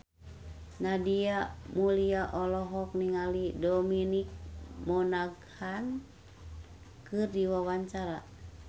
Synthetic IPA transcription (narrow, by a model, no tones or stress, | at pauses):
nadiamuliaʔɔlɔɦɔk̚niŋalidɔminik̚mɔnaɡhan | kɨrdiwawaɲt͡ʃaɾa